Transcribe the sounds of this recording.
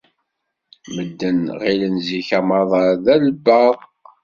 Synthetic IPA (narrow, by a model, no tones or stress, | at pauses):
məd̪ːənʁilənziçæmɑðˤɑɾðæləbːəðˤ